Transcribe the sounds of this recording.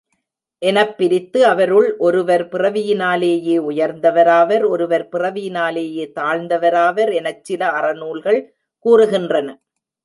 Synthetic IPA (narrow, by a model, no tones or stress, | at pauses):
ʔɛnɐpːɪɾɪt̪ːɯɐʋɐɾɯɭʔɔɾɯʋɐɾpɪrɐʋɪjɪnaːleːjeːʊjɐɾnd̪ɐʋɐɾaːʋɐɾɔɾɯʋɐɾpɪrɐʋɪjɪnaːleːjeːt̪aːɻnd̪ɐʋɐɾaːʋɐɾɛnɐt͡ʃt͡ʃːɪlɐɐrɐnuːɭɣɐɭ | kuːrɯɣɪndrɐnɐ